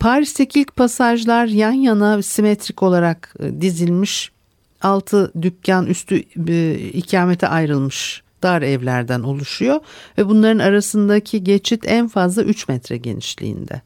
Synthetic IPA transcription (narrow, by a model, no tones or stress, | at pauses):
pʰaɾist̪ecʰiilʲc̚pʰasaʒlˠaɾjanjanasimet̪ʰɾico̞lˠaɾakd̪izilʲmiʃ | alˠt̪ʰɯd̪yp̚cʰanʔyst̪ʰy | icʰaːmet̪ʰɛ̰ʔajɾɯlˠmɯʃd̪̥aːɾɛvlʲæɾd̪æno̞lˠuʃujo̞vɛbunlˠaɾɯnaɾasɯnd̪acʰiɟe̞t͡ʃʰit̪ʰænfazlˠa̰ʔyt͡ʃmɛt̪ɾɛɟe̞̰nḭʃlʲḭːnd̪ɛ̰